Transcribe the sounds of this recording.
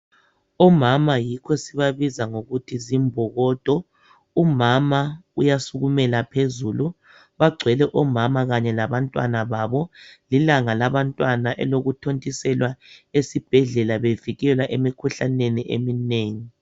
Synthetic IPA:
ɔmamajikʰɔsiβaβizaŋoɣutʰizimbʱɔɣɔd̥ʱɔ | umamaujasuɣumɛlapʰezulu | βaɡ͡ǀʱwɛlɛʔɔmamaɣaɲɛlaβantʼwanaβaβɔlilaŋalaβantʼwanaʔɛloɣutʰontʼisɛlwaesib̥ʱɛɮɛlaβeviɣɛlwaʔemikʰuɬaneniʔḛmineːŋi

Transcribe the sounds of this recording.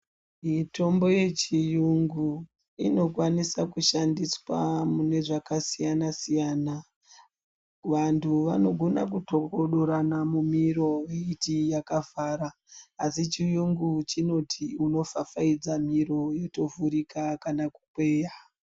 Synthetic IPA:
mito̞mbo̞je̞t͡ʃijuŋɡu | ino̞kwanisakuʃandiswamune̞ʐakasijanasijaːna | ʋantʰuʋano̞ɡʱo̞na̰k̬utokoɗo̞ɾanamumiɾo̞jeitijakavaːɾaː | sit͡ʃijuŋɡut͡ʃino̞tʰiuno̞fafaid͡zamiɾo̞joto̞vuɾikakanaku̥kweːja

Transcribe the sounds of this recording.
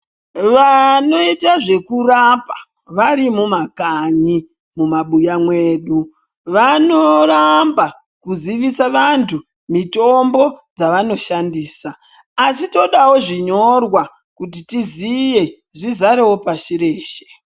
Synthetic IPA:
ʋano̞itaʐe̞kurapa̰ | ʋaɾimumakaɲi | mumaɓujamwe̞ːɗu | ʋano̞ramba | kuziʋisaʋantʰu | mito̞mbo̞d͡zaʋano̞ʃandiːsaː | sito̞ɗawo̞ʐiɲo̞rwa | kut̬itizije̞ | ʐizaɾe̞wo̞paʃiɾeːʃe̥

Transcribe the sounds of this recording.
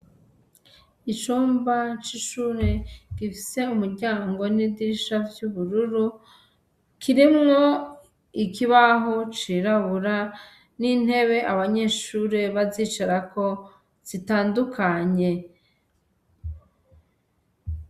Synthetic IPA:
it͡ʃuːmbat͡ʃiʃuːɾe̞ɡ̥ifi̥se̞umuɾɟaːŋɡo̞nidiʃavjuβuɾuɾu | kʰiɾimŋo | ikiβaɦo̞t͡ʃiɾaβuɾa | nin̥e̞βe̞ʔaβaɲe̞ːʃuɾe̞βazit͡ʃaɾako̞ | z̥itaːndukʰaɲe̞

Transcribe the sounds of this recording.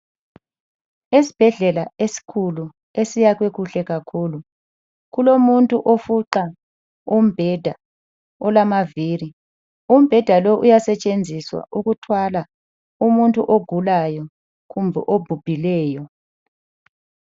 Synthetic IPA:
esi̥b̥ʱɛɮɛlaesi̥kʰulu | esijaɣ̬wekuɬɛɣakʰuːlu | ɣ̬ulomuntʼuʔofuǃa | um̩b̥ʱɛd̥ʱa | ɔlamaviːɾi | um̩b̥ʱɛd̥ʱaloʔujasɛt͡ʃʼend͡zʱiswa̰ʔuɣ̬utʰwala | umuntʼṵʔoɡ̥ʱulajɔ | kumbʱɛ̰ʔob̥ʱub̥ʱilɛːjɔ

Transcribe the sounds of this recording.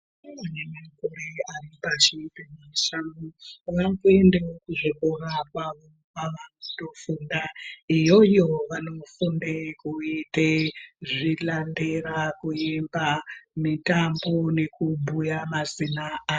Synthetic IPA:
anemakoɾearipat͡ʃipemaʃamuʋakue̞ndeokuʐikorakwaʋo̞ | kaʋakutofuːndaijo̞jo̞ʋano̞fundekuiteʐilanderakuembamitambo̞ne̞kubʱujamazinaː

